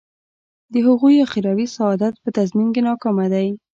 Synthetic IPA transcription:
d̪əhʊɣujaxɪɾɑwisaːd̪at̪̚pət̪azmimkenɑkɑmad̪aj

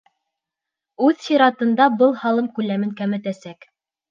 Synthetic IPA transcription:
ʉðsiɾɑt̪ɤ̆nd̪ɑbɤlˠhɑlˠɤmkʉlæmɘŋkæmɘ̆t̪æsæk

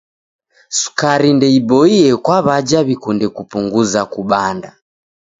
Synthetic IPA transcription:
su̥kaɾindɛibɔiɛkwaβad͡ʒaβikundɛkupuŋɡuzakuɓanda

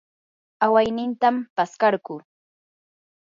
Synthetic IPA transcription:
awajnɪnt̪ampaskɑɾɢʊ

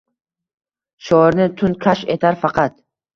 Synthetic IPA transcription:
ʃɒɾnɪt̪ʰʊnkʰaʃet̪ʰaɾfɑqʰɑt̪

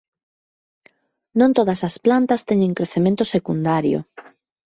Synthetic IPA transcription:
nõnt̪oðɐsɐsplant̪ɐst̪ɛɲẽŋkɾeθemẽnt̪ʊsekund̪aɾjo̰

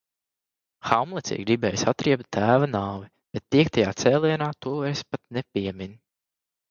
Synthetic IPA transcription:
xawmlˠɛtsʲḭːɡɾibɛːjsat̪ɾiɛp̚t̪̚t̪ːæːvanaːvi | b̥ɛt̪̚ːiɛk̚t̪ajaːt̪sɛːlˠiɛnaːt̪uɔɛspat̪nɛpʲiɛmin

